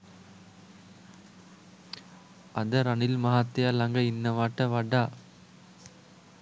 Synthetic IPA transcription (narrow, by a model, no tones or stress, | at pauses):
ɐd̪ɐɾɐnɪlmɐɦaːt̪ːɪjalɐŋɡɐɪnːɐʋaːʈːɐʋɐɖaː